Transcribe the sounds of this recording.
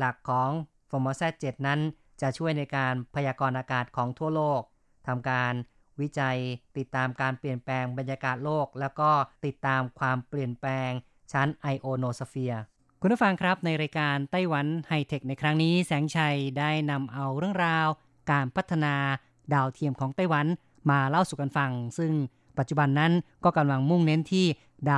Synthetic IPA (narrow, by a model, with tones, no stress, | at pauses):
la˨˩kʰːɔː˩˦ŋ | foː˧moː˧sɛː˥˩t̪̚t͡ɕe˨˩t̪̚na˦˥n | t͡ɕa˨˩ʔt͡ɕʰu˥˩əjna˧jkaː˧npʰa˧jaː˧kɔː˧nʔaː˧kaː˨˩t̪̚kʰɔː˩˦ŋt̪ʰu˥˩ɐloː˥˩k̚ | t̪ʰa˧mkaː˧n | wi˦˥t͡ɕa˧jt̪i˨˩t̪ːaː˧mkaː˧npli˨˩ənplɛː˧ŋba˧njaː˧kaː˨˩t̪̚loː˥˩k̚lɛː˦˥wkɔː˥˩t̪i˨˩t̪ːaː˧mkʰwaː˧mpli˨˩ənplɛː˧ŋ | t͡ɕʰa˦˥nʔa˧jʔoː˧noː˧sa˧˥fi˧ɐ | kʰu˧npʰa˥˩fa˧ŋkʰɾa˦˥p̚na˧jɾaː˧jkaː˧nt̪a˥˩jwa˩˦nha˥˩jt̪ʰe˨˩k̚na˧jkʰɾa˦˥ŋniː˦˥sɛː˩˦ŋt͡ɕʰa˧jdaː˥˩jna˧mʔa˧wɾɯ˥˩əŋɾaː˧w | kaː˧npʰa˦˥t̪ʰːa˧naː˧ | daː˧wt̪ʰi˧əmkʰɔː˩˦ŋt̪a˥˩jwa˩˦n | maː˧la˥˩wsuː˨˩ka˧nfa˧ŋsɯ˥˩ŋ | pa˨˩t̪̚t͡ɕu˨˩ba˧nːa˦˥nkɔː˥˩ka˧mla˧ŋmu˥˩ŋne˦˥nt̪ʰiː˥˩ | daː˧